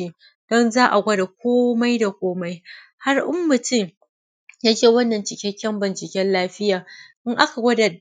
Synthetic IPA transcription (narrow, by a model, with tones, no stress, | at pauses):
i˦˨ | d̥ɔ˦nzaː˦ʔa˨ɡʷɐ˦da˨k̚ʷoː˦ma˦jda˨kʷoː˦ma˦j | ha˦rʔʊ˦mːʊ˨tɪ˦˨ŋ | jaː˦t͡ʃeː˦˨wɐ˦nːɐ˨nt͡ʃɪ˨kʲɛ˦kʲːɛ˦mbɪ˨nt͡ʃɪ˨kʲɛ˦nlaː˦ɸɪ˦jaː˨ʔɪ˦ŋʔa˦ka˨ɡʷɐ˦da˨